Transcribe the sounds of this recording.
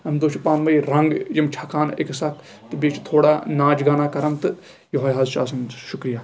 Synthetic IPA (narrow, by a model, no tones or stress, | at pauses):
ɐmd̪ot͡ʃipaːnbɐiɾɐ̃ŋɡd͡ʒɐmt͡ʃʰaːkʰaːnɪ̰ksɐk | t̪biːt͡ʃt̪ʰoːɽaːnãːd͡ʒɡaːnaːkɐɾənt̪ | joɦoːjɦaːzt͡ʃaːsɐnʃʊkɾijaː